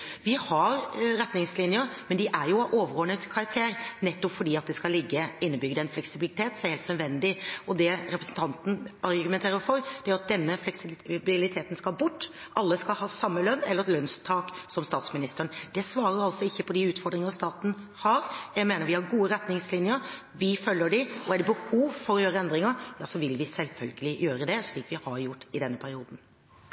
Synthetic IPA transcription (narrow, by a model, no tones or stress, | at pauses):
ʋɪhɑɾɾɛt̪nɪŋslɪnjəɾmɛnd̪ɪʔæɾjʊʔoːʋəɾɡɔnət̪kʰɑɾɑk̚t̪ʰeːɾnɛt̪ːɔpfɔɖiːɑt̪̚d̪ɛskɑlɪɡːəɪnːəbʏɡəd̪əɛnflɛksɪbɪlɪt̪ʰeːt̪sɛheːlt̪nœd̪ʋɛnd̪ɪɔd̪ɛɾɛpɾəsn̩t̪ʰɑnt̪n̩ɑɾɡʉmɛnt̪ʰeːɾəɾfɔɾd̪̥ɛæɾʊɑt̪̚d̪ɛnːəflɛksɪbɪlɪt̪ʰeːt̪nskɑlbʊʈː | ʔɑlːəskɑlhɑːsɑmːəlœnːɛləɾɛt̪lœnst̪ʰɑːksɔmst̪ɑːt̪smɪnɪst̪əɾənd̪̥ɛsʋɑːɾəɾɑlsɔɪçːəpʰɔd̪ɪʉːt̪fɔɖd̪ɾɪŋəst̪ɑːt̪n̩ | hɑɾjæɡmeːnəɾʋɪhɑɾɡuːəɾɛt̪nɪŋslɪnjəɾ | ʋɪfœlːəɖɪɔæɖɛbəhuːʋfɔɾɔjøːɾəɛnd̪ɾɪŋəɾjɑːsɔʋɪlʋɪsɛlfœlɡəlɪjøːɾəd̪ɛsliːk̪ʋɪhɑɾjʊʈːɪd̪ɛnːəpʰæɾɪuːd̪n̩